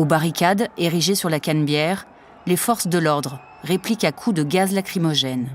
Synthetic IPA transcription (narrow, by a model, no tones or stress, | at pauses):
obaʁikʲad̪eʁiʒesyʁlakʲanbjɛʁ | lefɔʁsd̪əlɔʁd̪ʁ | ʁeplikakʰud̪əɡazlakχimɔʒɛn